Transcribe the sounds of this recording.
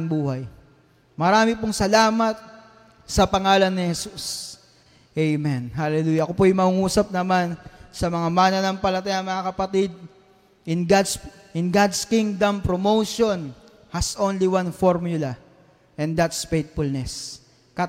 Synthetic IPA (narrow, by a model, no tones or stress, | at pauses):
ŋbuːhɐj | mɐɾaːmɪpoŋsɐlaːmɐt̪̚ | sɐpɐŋaːlɐnːɪhɛsus | ʔejmɛnɦalɛluːjɐʔɐkopoʔɐjmɐŋuŋuːsɐp̚nɐmansɐmɐŋamaːnɐnɐŋpɐlɐt̪ajɐŋmɐŋakɐpɐt̪id̪̚ | ʔɪnɡd̪ | ɪnɡad̪skiŋd̪ɐmpɾomowʃon | hɐsʔonliwanfoɹmjʊlɐ | ʔɛ̃nd̪at̪sfejt̪̚fʊlnɛs | kɐ